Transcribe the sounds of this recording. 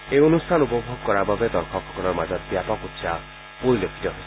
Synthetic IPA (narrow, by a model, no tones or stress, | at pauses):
eonustʰanupɔbʱoɡɔkɔɾababed̪ɔɾkʰɔkʰɔkɔlɔɾmad͡ʒɔt̪̚bjapɔkut̪sʰa | pojlokʰi̥t̪ɔɦo